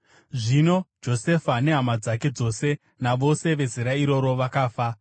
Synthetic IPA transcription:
ʐino̞d͡ʒo̞se̞fane̞ɦamad͡zake̞d͡zo̞se̞ | naʋo̞se̞ʋe̞ziɾaiɾo̞ɾo̞ʋakaːfa

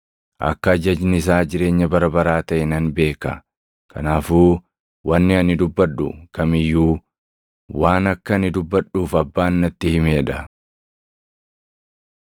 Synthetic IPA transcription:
ʔɐ̰kːɐːd͡ʒɐd͡ʒnɪs̬aːd͡ʒɪɾe̞ːɲːɐbɐɾɐbɐɾaːt̪ɐʔɪnɐnbe̞ːkɐ̰ | kʰɐnaːfuː | wɐnːɪɐnɪd̪ʊbːɐɗʊkɐmɪjːuː | waːnɐkːɐnɪd̪ʊbːɐᶑuːfɐbːaːnːɐt̪ːɪhɪmeːᶑɐ

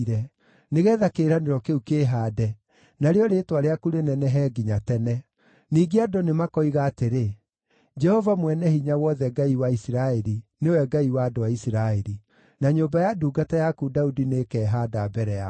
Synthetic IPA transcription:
ɾɛ | neɣɛːðakeɾaneɾɔkeukeːɦaːdɛ | naɾeɔɾetwaɾeakuɾenɛnɛɦɛɡiɲatɛnɛ | niːɡeadonemakɔiɣaːteɾe | d͡ʒɛhɔvamwɛnɛhiɲawɔðɛɡaiwaisiɾaɛɾinewɛɡaiwaːdoaisiɾaeɾi | naɲoːmbajaduːɡatajakudaudinekɛːɦaːdabɛɾɛa

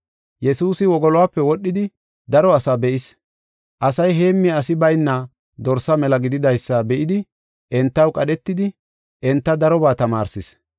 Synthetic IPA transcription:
jɛsuːsɪwɔɡɔlɔwaːpːɛwɔɗːɪd̪ɪ | d̪ɐɾɔɐsabɛʔɪs | ʔɐsɐjɦe̞ːmːɪɐsɪbɐjnːɐ | d̪ɔɾsɐmɛlɐɡɪd̪ɪd̪ɐjsːɐbɛʔɪd̪ɪ | ʔɛnt̪ːɐwkʼɐɗɛt̪ːɪd̪ɪ | ʔɛnt̪ːɐd̪ɐɾɔbaːt̪ɐmaːɾsɪs

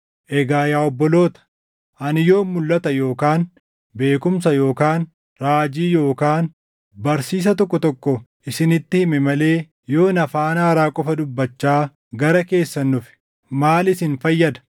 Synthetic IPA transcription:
ʔɛɡaːjaːɔbːɔlo̞ːt̪ɐ̥ | ʔɐnɪjo̞ːmːʊlːɐt̪ɐjo̞ːkaːn | be̞ːkʊmsɐjo̞ːkaːn | ɾaːd͡ʒiːjo̞ːkaːn | bɐɾsiːs̬ɐt̪ɔkːɔt̪ɔkːɔʔɪsɪnɪt̪ːɪhɪmɛmɐle̞ː | jo̞ːnɐfaːnaːɾaːkʼɔfɐd̪ʊbːɐt͡ʃːaː | ɡɐɾɐke̞ːsːɐnːʊfɪ̥ | maːlɪsɪnfɐjːɐd̪ɐ̥

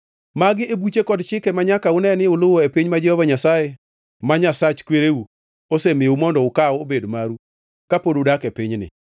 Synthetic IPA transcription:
maɡɪebut͡ʃekɔdt͡ʃɪkemaɲakaʊnɛnɪʊlʊwɔepiɲmad͡ʒɛhɔvaɲasaje | maɲasat͡ʃkweɾeu | osemɪumɔndɔʊkawobedmaɾu | kapododakepɪɲnɪ̰

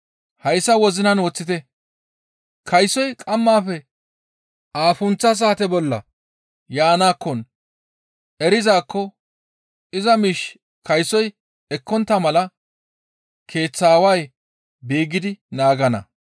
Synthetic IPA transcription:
hɐjsːɐwɔzɪnɐnwɔt͡sːɪt̪ɛ | kʰɐjsɔjkʼɐmːaːfɛ | ʔaːfʊnt͡sːɐs̬aːt̪ɛbɔlːɐ̰ | jaːnaːkːɔn | ɛɾɪzaːkːɔ | ɪzɐmiːʃ | kɐjsɔj | ɛkːɔnt̪ːɐmɐlɐ | kʰe̞ːt͡sːaːwɐj | biːɡɪd̪ɪnaːɡɐnɐ̰

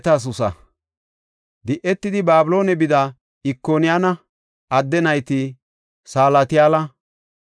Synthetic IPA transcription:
t̪aːs̬ʊsɐ̰ | d̪ɪʔɛt̪ːɪd̪ɪbaːbɪlo̞ːnɛbɪd̪ɐ | ɪkːoːnɪjaːnɐ | ɐd̪ːɛnɐjt̪ɪ | saːlɐt̪ɪjaːlɐ

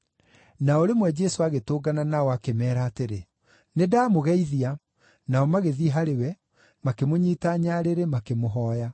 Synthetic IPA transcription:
naɔɾemwɛd͡ʒɛsoaɣetoːɡananaɔakemɛːɾaːteɾe | nedaːmoɣɛiðia | naɔmaɣeðiɦaɾewɛ | makemoɲiːtaɲaɾeɾemakemoɦɔːja

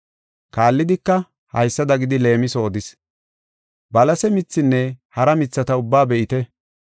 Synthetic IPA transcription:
kaːlːɪd̪ɪkːɐ | hɐ̰jsːɐd̪ɐɡɪd̪ɪle̞ːmɪso̞ːd̪ɪs | bɐlɐsɛmɪt͡sːɪnːɛhɐɾɐmɪt͡sːɐt̪ɐʊbːaːbɛʔɪt̪ɛ

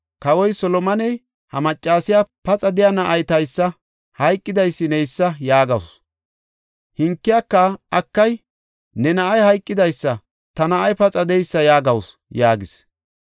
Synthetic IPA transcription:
kɐwɔjsɔlɔmɐnɛj | hɐmɐt͡ʃʼːaːsɪjapɐt͡sʼɐd̪ɪjanɐʔɐjt̪ɐjsːɐ | hɐjkʼːɪd̪ɐjsːɪnɛjsːɐjaːɡɐws | hɪŋkːɪjaːkːɐʔɐkːɐj | nɛnɐʔɐjhɐjkʼːɪd̪ɐjsːɐ | t̪ɐnɐʔɐjpɐt͡sʼɐd̪ɛjsːɐjaːɡɐws | jaːɡɪs

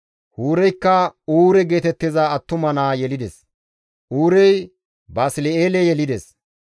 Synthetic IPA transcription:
huːɾɛjkːɐuːɾɛɡe̞ːt̪ɛt̪ːɪzaɐt̪ːʊmɐnaːjɛlɪd̪ɛs | ʔuːɾɛj | baːsɪlɛeːlɛjɛlɪd̪ɛs

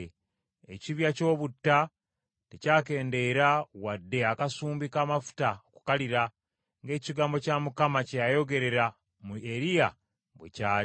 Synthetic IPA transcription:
ḛciβjaco̞ːβutːa | tecaːke̞ːnde̞ːɾawadːe̞akasuːmbikaːmafu̥taoku̥kaliɾa | ŋɡe̞ːciɡaːmbo̞camukamacejajo̞ɡe̞ɾe̞ɾa | mue̞ɾija | βwḛcaːi

